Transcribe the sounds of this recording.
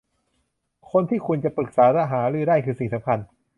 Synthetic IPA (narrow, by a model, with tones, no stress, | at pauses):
kʰo˧nt̪ʰiː˥˩kʰu˧nt͡ɕa˨˩pɯ˨˩k̚saː˩˦ɾa˦˥ɦaː˩˦ɾɯː˧˥˩daː˥˩jkʰɯː˧si˨˩sa˩˦mkʰa˧n